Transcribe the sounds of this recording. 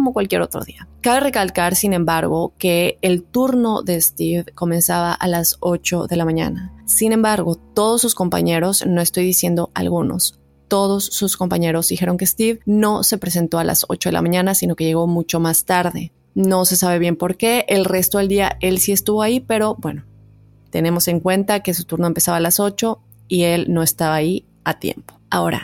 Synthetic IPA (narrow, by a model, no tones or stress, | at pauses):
omokwalkje̞ɾo̞̰t̪ɾo̰ðiakaβe̞re̞kalkaɾsinẽ̞mbaɾɣo̞ke̞ːlt̪uɾno̞̰ðe̞ːst̪ivko̞mẽ̞nsaβaʔalaso̞t͡ʃo̞ðe̞lamãɲã̰nasinẽ̞mbaɾɣo̞t̪o̞ð̞o̞sːusko̞mpa̰ɲe̞ɾo̞zno̞est̪o̞jðisje̞nd̪o̞ʔa̰lɣuno̞̰s | t̪o̞ð̞o̞sːusko̞mpaɲe̞ɾo̞zðixe̞ɾo̞ŋkest̪ivno̞se̞pɾe̞s̬e̞nt̪o̞alʔa̰so̞̰t͡ʃo̞ðela̰mãɲãnasino̞keʝe̞ɣ̞o̞mut͡ʃo̞mast̪aɾðe̞ | no̞se̞saβ̞e̞βje̞mpo̞ɾke̞ʔelre̞st̪o̞ðeld̪iaʔe̞lsie̞st̪uβo̞aipe̞ɾo̞bwe̞̰no̞ | t̪e̞ne̞mo̞se̞ŋkwe̞nt̪ake̞sut̪uɾnoempesaβaːlaso̞t͡ʃo̞ | ie̞lno̞e̞st̪aβaːi | at̪je̞̰mpo̥ao̞̰ɾa̰